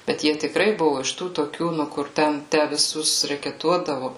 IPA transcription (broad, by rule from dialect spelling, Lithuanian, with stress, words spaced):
bʲɛt ˈjiɛ tʲɪkˈrɐɪ ˈbʊʋʊ ɪʃ ˈtuː toːˈkʲuː ˈnʊ kʊr ˈtʲɛn ˈtʲæː ʋʲɪˈsʊs rʲɛkʲɛˈtuɔdɐʋʊ